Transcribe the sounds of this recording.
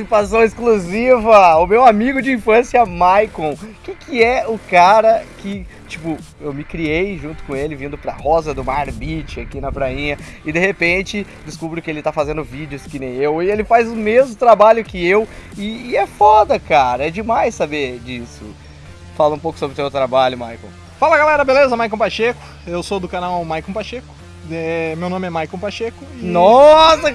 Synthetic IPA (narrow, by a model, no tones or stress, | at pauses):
sipasɐ̃w̃ɪskluzivɐʊmewamiɡʊd͡ʒɪĩfɐ̃sjɐmajkõw̃kɪkɪɛʊkaɾɐkɪ | t͡ʃipʊ | ewmɪkɾiejʒũt̪ʊ̥kõelɪvĩnd̪ʊpɾɐhɔzɐd̪ʊmaɾbit͡ʃɪakinɐpɾaĩɲɐ | ɪd̪eɦepẽt͡ʃɪ | d͡ʒ̪ɪskubɾʊkɪelɪt̪afazẽnd̪ʊvid͡ʒɪʊskɪnẽj̃ewɪelɪfajzʊmezmʊt̪ɾabaʎʊkɪewɪːɛfɔd̪ɐkaɾɐɛd͡ʒɪmajsːabed͡ʒisʊ | falɐũpowkʊsobɾɪʊsewt̪ɾabaʎʊmajkõ | falɐɡalɛɾɐbelezɐmajkõpaʃekʊ̥ | ewsod̪ʊkanawmajkõpaʃekʊ̥ | ɛmewnõmɪɛmajkõpaʃekʊ̥nɔsɐ